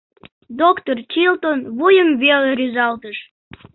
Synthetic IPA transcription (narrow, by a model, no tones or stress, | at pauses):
d̪okt̪ort͡ɕilt̪onβujəmβeleɾyzɑlt̪əʃ